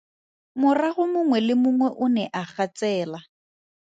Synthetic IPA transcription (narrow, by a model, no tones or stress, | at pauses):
mʊraɣʊmʊŋwɛlɪmʊŋwɛʔʊnɛʔaχat͡sʼɛːla